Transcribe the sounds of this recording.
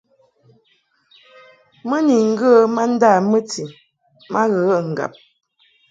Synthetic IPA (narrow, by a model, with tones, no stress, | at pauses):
mə˦ni˨ŋ̩˦ɡə˦ma˦n̩˦da˦˨mə˦ti˨ | ma˦ɣə˨˦ŋ̩˨ɡa̰˨p̚